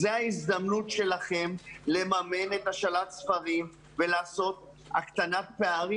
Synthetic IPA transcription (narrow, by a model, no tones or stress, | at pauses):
zeaizd̪amnut̪ʃe̞laχe̞mle̞mame̞ne̞t̪aʃalat̪sfaʁim | ve̞laːso̞t̪̚ | akt̪anat̪̚peaʁi